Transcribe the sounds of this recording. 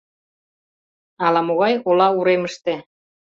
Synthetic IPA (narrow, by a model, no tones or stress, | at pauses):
ɑlɑmoɣɑjolɑuɾeməʃt̪e